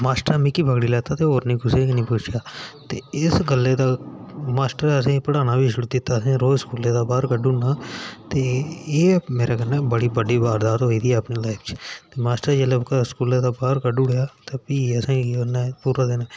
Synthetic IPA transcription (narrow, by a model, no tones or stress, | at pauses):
maːsʈəɾmikiːbʱəɡɽiːlɛːt̪aːt̪eːoːɾnĩːɡʊseːknĩːpʊːt͡ʃʰjaːt̪ḛːɪsɡəlːeːd̪aːmaːsʈəɾəs̬ẽːpəɽaːnaːbʱiːʃʊɽuːd̪ɪt̪ːaːsẽːɾoːskuːleːd̪aːbaːɾkəɖʊɳaːt̪eːeːmeːɾaːɡənːɛːbəɽiːbəɖiːbaːɾd̪aːɾɦoːiːd̪iːɛəpniːlaːɪpʰt͡ʃt̪eːmaːsʈəɾd͡ʒelekaskuːleːd̪aːbaːɾkəɖʊɽjaːt̪eːpiːəsãːonaːpuːɾaːd̪eːnaː